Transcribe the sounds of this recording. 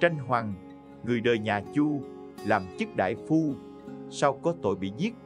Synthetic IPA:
t͡ɕa˧jŋ̟ɦwa˨˩ŋ | ŋɨ˨˩əjɗəː˨˩jɲaː˨˩t͡ɕu˧ | laː˨˩mt͡ɕɨ˦˥k̚ɗa̰ː˧˨jfu˧ | sa˧wkɔ˨˦t̪o̰˧˨jɓḭ˧˨ɲi˦˥t̚

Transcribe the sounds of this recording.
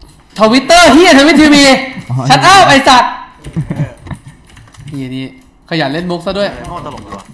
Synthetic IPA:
t̪ʰɔ˧wi˦˥t̪ːɤː˥˩ɦiː˥˩˨t̪ʰa˧wi˦˥t̪ʰːiː˧wiː˧a˦˥t̪ʔaː˥˩wʔa˧jsa˨˩t̪̚ | iː˧˩a˨˩niː˦˥ | kʰa˧ja˨˩t̪̚le˥˩nbo˦˥k̚sa˧˥˩du˥˩əj

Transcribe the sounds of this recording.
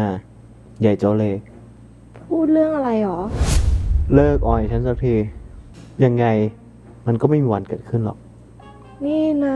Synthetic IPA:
a˧˩ | ja˨˩jt͡ɕoː˧leː˧˩k̚ | pʰuː˥˩t̪̚lɯ˥˩əŋʔa˧ɾa˧jʔɔː˩˦ | lɤː˥˩k̚ʔɔː˨˩n˨t͡ɕʰa˦˥nsa˦˥k̚t̪ʰiː˧˩ | ja˧ŋːa˧j | ma˧nkɔː˥˩ma˥˩jmiː˧wa˧nkɤː˨˩t̪̚kʰɯ˥˩nlɔ̰˨˩k̚ | niː˥˩na˧

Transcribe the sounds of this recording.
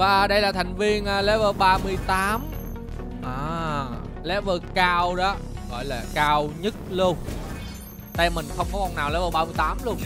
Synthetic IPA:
vaː˨˩ɗə˧jlaː˨˩t̪ʰa˨˩jŋ̟vi˧ənʔəː˨˩lɛ˨˦˥vəː˧ɓaː˧mɨ˧əjt̪aː˨˦m | ʔaː˨˩ | lɛ˨˦vəː˧kaː˧wɗɔ˨˦ | ɣɔ̰˧˨jlaː˨˩kaː˧wɲə˦˥t̚lu˧ən | t̪a˧mï˨˩ŋ̟xə˧wŋ͡mkɔ˨˦kɔ˨˩naː˨˩wlɛ˨˦vəː˧˩ɓaː˧mɨ˧əjt̪aː˨˦mlu˧əŋ

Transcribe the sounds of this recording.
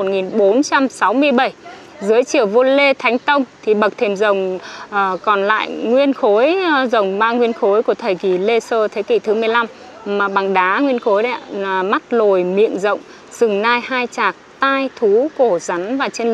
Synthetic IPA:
t̚ŋi˨˩nɓo˨˦nt͡ɕa˧msa˨˦wmɨ˧əjɓə˧˩j | zɨ˨˦əjt͡ɕi˧˩əwvo˧le˧t̪ʰa˨˦jŋ̟t̪ə˧wŋ͡mt̪ʰi˨˩ɓə˨˩k̚t̪ʰe˧˩mzə˨˩wŋ͡mʔəː˨˩kɔ˨˩nla̰ː˧˨jŋwi˧ənxo˨˦jzə˨˩wŋ͡mmaː˧ŋwi˧ənxo˨˦jku˧˩ət̪ʰəː˨˩jki˧˩le˧səː˧t̪ʰe˨˦kḭ˧˩t̪ʰɨ˨˦mɨ˨˩əjla˧m | maː˨˩ɓa˨˩ŋɗaː˨˦ŋwi˧ənxo˨˦jɗa̰˧˦˩ma˦˥t̚lo˨˩jmḭ˧˨ənzə̰˧˨wŋ͡m | z̥ɨ˨˩ŋnaː˧jhaː˧jt͡ɕaː˨˩k̚t̪aː˧jt̪ʰu˨˦ko˧˩za˨˦nvaː˨˩t͡ɕe˧n

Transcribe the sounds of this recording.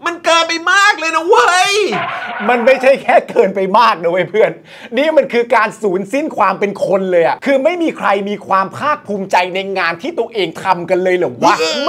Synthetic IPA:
ma˧nkɤː˧npa˧jmaː˥˩k̚lɤː˧jna˧˩wa˥˧jma˧nma˥˩jt͡ɕʰa˥˩jkʰɛː˥˩kɤː˧npa˧jmaː˥˩k̚nɯ˧wa˧˥˩pʰɯ˥˩ən | niː˥˩ma˧nkʰɯː˧kaː˧nsuː˩˦nsi˥˩nkʰwaː˧mpe˧nkʰo˧nlɤː˧jʔa˨˩kʰɯː˧ma˥˩jmiː˧kʰɾa˧jmiː˧kʰwaː˧mpʰaː˥˩k̚pʰuː˧mt͡ɕa˧jna˧jŋaː˧nt̪ʰiː˥˩t̪u˧əʔeː˧ŋt̪ʰa˧mka˧nlɤː˧jlɯ˨˩˦waː˥˩

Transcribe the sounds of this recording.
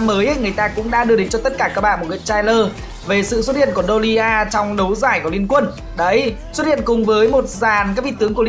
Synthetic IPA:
mːəː˨˦jʔjŋɨ˨˩əjt̪aː˧kʊ̰˧˥ŋ͡mɗa̰ː˧˥ɗɨ˧əɗï˨˦ŋ̟t͡ɕɔ˧t̪ə˦˥t̚kaː˧˩kaː˦˥k̚ɓa̰ː˧˨mo˨˩ŋɨ̰˧˨t͡ɕaː˧jləː˧ | ve˨˩sɨ̰˧˨swə˦˥t̚hḭ˧˨ənku˧˩əɗo˧li˧ʔaː˧t͡ɕɔ˧wŋ͡mɗə˨˦wzaː˧˩jku˧˩li˧ənkwə˧n | ɗə˨˦j | swə˦˥t̚hḭ˧˨ənkʊ˨˩ŋ͡mvəː˨˦jmo˨˩t̚zaː˨˩nkaː˦˥k̚ɓḭ˧˥t̪ɨ˨˦əŋku˧˩ə˨˧

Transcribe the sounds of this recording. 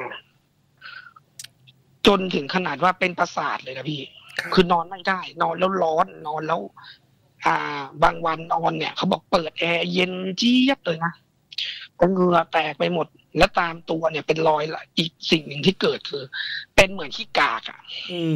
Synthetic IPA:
t͡ɕo˧nt̪ʰɯ˩˦ŋkʰa˧naː˨˩t̪̚waː˥˩pe˧npa˧sa̰ː˨˩t̪̚lɤː˧na˦˥pʰiː˥˩kʰɯː˧nɔː˧nma˦˥˩ndaː˥˩jnɔː˧nlɛ˦˥˩wlɔː˦˥nːɔː˧nlɛː˦˥˩w | ʔaː˨˩baː˧ŋwa˧nːɔː˧nːi˦˥˩ɐkʰa˦˥wbɔː˨˩k̚pɤː˨˩t̪̚ʔɛː˧je˧nt͡ɕi˦˥˩ə˨p̚lɤː˧jna˦˥ | t̪ɛː˧˩ŋɯ˧˩ɐt̪ɛː˨˩k̚pa˧jmo˨˩t̪̚lɛ˦˥wt̪aː˧mt̪u˧ɐni˥˩ɐpe˧nlɔː˧˥jla˧˩ʔiː˨˩k̚si˨˩ŋnɯ˨˩ŋt̪ʰiː˥˩kɤː˨˩t̪̚kʰɯː˧pe˧nmɯ˨˩˦ənt̪ʰiː˥˩kaː˨˩k̚ʔa̰˨˩ʔ

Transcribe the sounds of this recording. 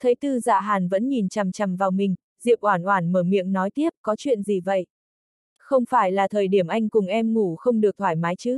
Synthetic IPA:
t̪ʰə˨˦jt̪ɨ˧za̰ː˧˨ɦaː˨˩nvə̰˧˥nɲi˨˩nt͡ɕa˨˩mt͡ɕa˨˩mvaː˨˩wmï˨˩ŋ̟ | zḭ˧˨əwʔwaː˧˩nʔwaː˧˩nməː˧˩mḭ˧˨əmnɔ˨˦jt̪i˦˥əp̚kɔ˨˦t͡ɕwḭ˧˨ənzi˨˩və̰˧˨j | xə˧wŋ͡mfaː˧˩jlaː˨˩t̪ʰəː˨˩jɗi˧˩əmʔa˧jŋ̟kʊ˨˩ŋ͡mʔɛ˧mŋu˧˩xə˧wŋ͡mɗɨ˨˩ək̚t̪ʰwaː˧˩jmaː˨˦jt͡ɕɨ˦˥

